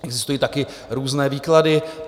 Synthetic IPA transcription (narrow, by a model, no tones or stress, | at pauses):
ɛɡzɪst̪ujiːt̪akɪ | ɾuːznɛːviːkladɪ